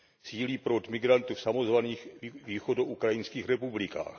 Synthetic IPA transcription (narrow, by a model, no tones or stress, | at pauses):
siːliːpɾot̪mɪɡɾant̪ufsamozvaniːxviːxodoʔukɾajɪnskiːxɾɛpublɪka̰ːx